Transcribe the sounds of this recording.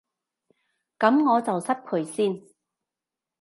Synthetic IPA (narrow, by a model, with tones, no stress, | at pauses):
kɐ˨˥mŋɔː˨˧t͡sɐ˨wsɐ˥t̚kʰɵ˨˩ɥsiː˥˩n